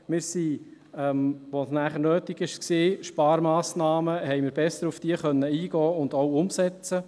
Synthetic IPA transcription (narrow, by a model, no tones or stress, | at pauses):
mɪːɾsi | ɛmʋosnæːχəɾnøːtiɡɪʃksiːʃpɑːɾmɑːsnɑːməhɛɪmɪːɾb̥ɛsːəɾufd̥iəχœnːəiːɡɔːʊnd̪owʊmsɛt͡sə